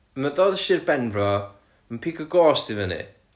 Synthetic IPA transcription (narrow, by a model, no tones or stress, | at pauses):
əmədoːdəʃɪrbɛnbrɔ | ənpʰiːkʰəɡɔːsd̥ivənḭ